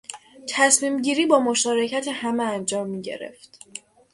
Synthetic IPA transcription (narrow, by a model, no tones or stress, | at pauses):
t̪ʰæsmiːmɟiːɾiːbɒːmoʃɒːɾe̞cʰæt̪ʰehæmeænd͡ʒɒːmːiːɟe̞̰ɾe̞̰ft̪